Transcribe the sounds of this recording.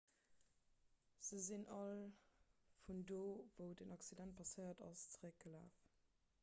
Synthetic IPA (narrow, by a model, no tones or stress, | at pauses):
z̥əzinʔɑl | fundoːvəʊdənɑksidænt̚pʰɑsəɪɐdɑ̰st͡səʁək̚ɡ̥əla̰ːf